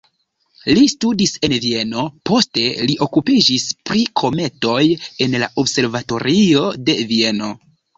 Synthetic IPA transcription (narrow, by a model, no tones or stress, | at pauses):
listudise̞nvie̞no̞po̞ste̞liʔo̞kupid͡ʒispɾikʰo̞me̞to̞je̞nla̰ʔo̞bse̞ɾvato̞ɾio̞de̞vie̞no̞